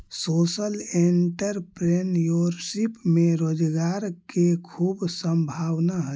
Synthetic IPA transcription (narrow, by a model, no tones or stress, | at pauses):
soːsəleɳʈəɾpɾenjuɾsipmeɾoːd͡ʒɡaɾkekʰuːbsə̃mbʱawnaɦə